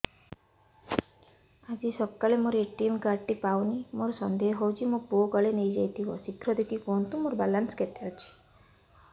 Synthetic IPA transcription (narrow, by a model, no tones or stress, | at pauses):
ad͡ʒisɔkːalemoɾeʈimkaɾʈipawnimoɾɔsɔnd̪eɦɦɔwt͡ʃʰimoboɡɔɭenejd͡ʒajt̪ʰibɔsikʰɾɔd̪ekʰikɔnt̪ũmoɾbalansket̪eɔt͡ʃʰi̥